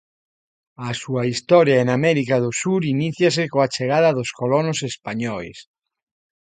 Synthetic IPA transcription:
asuaist̪ɔɾjaenamɛɾikaðosuɾiniθjas̬ekoat͡ʃeɣ̞aðaðoskolonosespaɲɔḛs

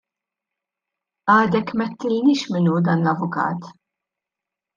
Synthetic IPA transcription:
ɐːd̪ɛkmɛt̪ːɪlnɪːʃmɪnud̪ɐːnlɐvʊkɐ̰ːt̪

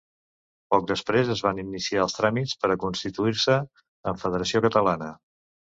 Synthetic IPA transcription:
pɔk̚d̪əspɾezəzβaninisiaəlˠst̪ɾamit͡spəɾəkunst̪it̪uiɾsə | əɱfəðəɾəsiokət̪əlanə

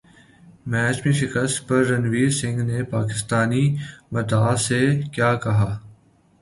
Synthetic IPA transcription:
mɛːt͡ʃmẽʃɪkəst̪pɐɾːɐnʋiːɾsɪ̃ŋɡnepaːkɪst̪aːnimɐt̪aːsekjaːkɐɦaː

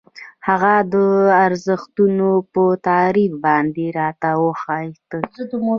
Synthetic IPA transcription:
haɣad̪əaɾzəxt̪unopət̪ɑɾifbɑnd̪eɾɑt̪awəxɑjt̪əd̪əm

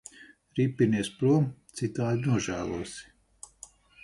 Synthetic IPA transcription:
ɾipʲːiniɛspɾuɔmt̪sit̪aːd̪inuɔʒæːlˠṵɔsi̥

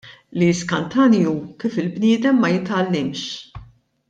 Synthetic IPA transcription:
liskɐnt̪ɐnjukiːfɪlbnɪːd̪ɛmːɐjɪt̪ɐlːɪmʃ

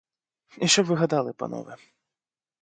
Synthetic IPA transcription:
iʃt͡ʃɔbʋɪɦɐd̪ɑlˠɪpɐ̰nɔ̰ʋɛ

